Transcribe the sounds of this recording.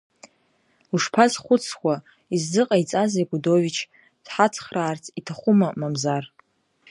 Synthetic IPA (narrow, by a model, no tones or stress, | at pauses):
uʂpʰazχʷʊt͡sʰkʷa | izzɨqʼait͡sʼaziɡʷudo̞vit͡ʃʰ | d̥ħat͡sʰχraːrt͡sʰʼitʰaχʷʊmamamzar